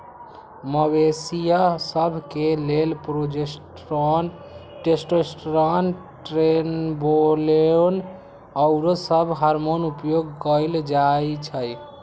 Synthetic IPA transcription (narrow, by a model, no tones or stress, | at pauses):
məbesijasəbʱkelelpɾod͡ʒe | ʈesʈɾesʈɾan | ʈɾenbolen | əʊɾosəbʱɦaɾmonupjoɡkəild͡ʒajt͡ʃʰəj